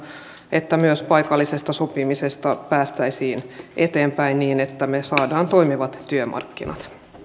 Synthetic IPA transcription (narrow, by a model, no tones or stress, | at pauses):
ʔet̪ːæmyøspɑjkɑlːisest̪ɑsopimisest̪ɑpæːst̪æisiːnʔet̪eːmpæinniːnet̪ːæmesɑːdɑːnt̪o̞imiʋɑt̪t̪yømʔɑ̰rkːinɑt̪